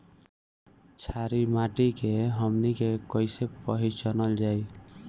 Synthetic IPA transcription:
t͡ʃʰaɾimaʈikeɦəmnikekɔjsepʌɦit͡ʃənəld͡ʒaj

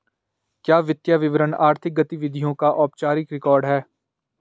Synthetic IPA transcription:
kjaːʋɪt̪jaːʋɪʋəɾənaːɾt̪ʰɪk̚ɡɐt̪iʋɪd̪ʱijõkaʔɔːpt͡ʃaːɾɪkɾɪkɔːɾɖɦɛː

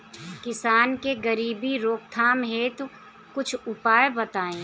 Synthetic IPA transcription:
kɪsaːnkeɡəɾiːbiɾoːkt̪ʰaːmɦeːt̪ | kʊt͡ʃʰʊpaːjebɐt̪aːẽː

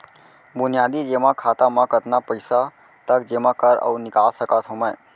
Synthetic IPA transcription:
bʊnijad̪id͡ʒemãkʰat̪amãkət̪napəɪsa | t̪əkd͡ʒemãkəɾə̰unɪkalsəkat̪ɦoməj

